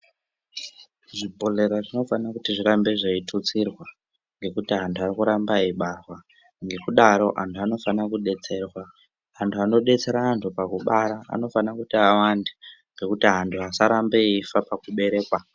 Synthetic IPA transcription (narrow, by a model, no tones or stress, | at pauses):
ʐibʱo̞ɮe̞ɾaʐino̞fanakutiʐiɾambe̞ʐaitʰut͡sirwa | ŋɡe̞kutiɦantʰuarikuɾambaiɓarwa | ŋɡe̞kuɗaɾo̞ʔantʰuano̞fanakuɗe̞t͡se̞rwaː | ntʰuano̞ɗe̞t͡se̞ɾaːntʰupakuɓaɾaa̰no̞fanakutiawandeŋɡe̞kutiɦantʰuɦasaɾambeifapakuɓe̞ɾe̞ːkwa